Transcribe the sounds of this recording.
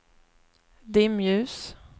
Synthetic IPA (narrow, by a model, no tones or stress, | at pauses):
d̪ɪmjʉːs